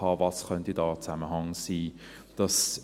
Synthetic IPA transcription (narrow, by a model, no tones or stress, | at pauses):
ɑːvɑsχœntidɑːt͡saməɦɑŋsiː | d̥ɑs